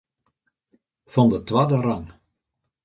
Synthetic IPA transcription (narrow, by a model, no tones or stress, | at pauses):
fɔndətʋaːdəraŋ